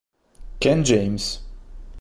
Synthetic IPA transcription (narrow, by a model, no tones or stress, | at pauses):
kɛ̃nd͡ʒẽj̃mz̥